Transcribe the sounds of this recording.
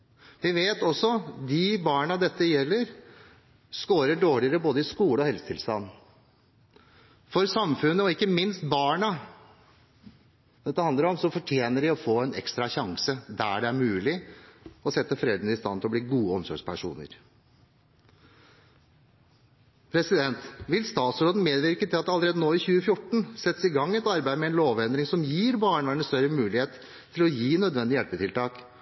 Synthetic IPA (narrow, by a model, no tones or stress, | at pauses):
ʋɪʋeːt̪ɔsːɔd̪ɪbɑːɳɑd̪ɛt̪ːəjɛlːəɾ | skoːɾəɖoːɭɪəɾəboːd̪əɪskuːləɔhɛlsət̪ʰɪlst̪ɑnː | fɔɾsɑmfʉnːəɔɪkːəmɪnst̪bɑːɳɑ | d̪ɛt̪ːəhɑnd̪əɾɔmsɔfɔʈʰjeːnəɖɪɔfoːɛnɛ̰kst̪ɾɑçɑŋsəd̪æɖɛæɾmʉːlɪɔsɛt̪ːəfɾeːd̪ənəɪst̪ɑnt̪ʰɪlɔbliːɡuːəɔmsɔ̰ːʂpʰæʂṵːnə̰ɾ | pʰɾɛsɪd̪ɛnt̪ʋɪlst̪ɑːt̪sɾoːd̪n̩meːd̪ʋɪɾkət̪ʰɪlɑt̪d̪ɑləɾeːd̪ənoːɪçʉːəfjʊʈɳ̩sɛt̪ːəsɪɡɑŋːɛt̪ɑɾbæɪmɛɛnloːʋɛnd̪ɾɪŋsɔmjiːɾbɑːɳʋæɳəst̪œɾəmʉːlɪheːt̪ʰː | ɪlɔjiːnœd̪ʋɛnd̪ɪjɛlpət̪ʰɪlt̪ʰɑːk